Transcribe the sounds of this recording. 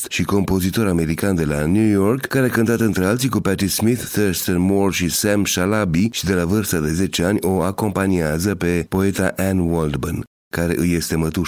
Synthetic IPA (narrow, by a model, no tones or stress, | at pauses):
t̪ʃiko̞mpo̞zit̪o̞ɾame̞ɾikand̪e̞lanjujo̞rkːaɾeakɨnt̪at̪ɨnt̪ɾe̞alt̪sikupat̪ɾismiθːəɾst̪ənmorʃisɛmʃalabiʃid̪e̞lavɨrst̪əd̪e̞ze̞t͡ʃe̞anʲo̞ako̞mpaniazəpe̞po̞e̞t̪aʔɛnwold̪bən | kaɾe̞̰ʔɨje̞st̪e̞mət̪u